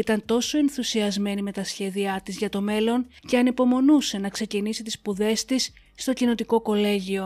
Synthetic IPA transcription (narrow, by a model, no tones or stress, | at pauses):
it̪ɐnt̪o̞so̞e̞nθusiɐzme̞nime̞t̪ɐsçe̞ðiɐt̪izʝɐt̪o̞me̞lo̞nce̞ɐnipo̞mo̞nuse̞nɐkse̞cinisit̪ispuðe̞st̪isː | t̪o̞cino̞t̪iko̞ko̞le̞ʝio̞